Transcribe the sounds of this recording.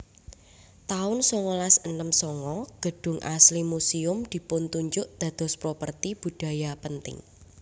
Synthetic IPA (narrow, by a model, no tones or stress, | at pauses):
t̪aʊnsɔŋɔlasənəmsɔŋɔɡ̥ə̤ɖ̥ʊ̤ŋʔa̰slimusiʊmd̪̥i̤pʊnt̪uɲd͡ʒʊʔd̪̥ä̤d̪̥ɔ̤spɾopərt̪ib̥ṳd̥ä̤japənt̪ɪ̰ŋ